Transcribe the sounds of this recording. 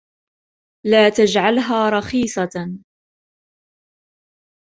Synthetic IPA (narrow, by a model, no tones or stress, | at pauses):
laːt̪ad͡ʒʕalɦaːɾˤɑxiːsˤɑ